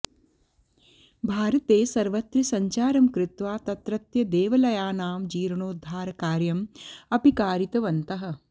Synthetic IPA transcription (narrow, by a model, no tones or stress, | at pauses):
bʱaːɾɐt̪eːsɐɾʋɐt̪ɾisɐɲt͡ʃaːɾɐmkɾɪt̪ʋaːt̪ɐt̪ɾɐt̪jɐd̪eːʋɐlɐjaːnaːmd͡ʒiːɾɐɳoːd̪ʱːaːɾɐkaːɾjɐmɐpikaːɾit̪ɐʋɐnt̪ɐɦɐ̆